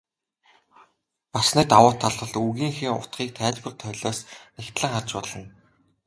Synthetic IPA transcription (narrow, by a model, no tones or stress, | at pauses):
pasniːt̪awʊːt̪ʰːaɮə̆ɮuɣiːŋxiŋʊ̰t̪χiːk̚t̪ʰæːɮpə̆ɮt̪ʰœɮɔːsnext̪ɮə̆ŋχart͡ɕpɔɮɞ̆n